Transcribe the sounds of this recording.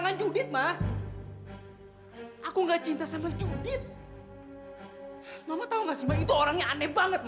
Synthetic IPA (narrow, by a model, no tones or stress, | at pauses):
ŋand͡ʒudɪt̪̚mah | ʔakuŋɡat͡ʃint̪asambad͡ʒudɪt̪̚ | mamat̪auŋɡasimbait̪uoɾaŋjaanɛbaŋət̪̚m